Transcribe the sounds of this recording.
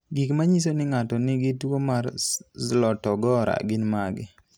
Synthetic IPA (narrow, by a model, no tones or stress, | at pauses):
ɡikmaɲis̬onɪŋatɔnɪɡɪtwomarzlɔtɔɡɔɾa̰ɡɪnmaɡɪ̰